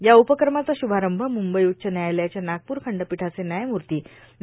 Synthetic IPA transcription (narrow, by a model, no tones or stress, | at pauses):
jaupəkɾəmat͡saɕubʱaɾəmbʱəmumbəjutːt͡ɕənjajljat͡ɕjanaɡ̚puːɾkʰəɳɖəpiʈʰat͡senjajmuɾt̪iː | n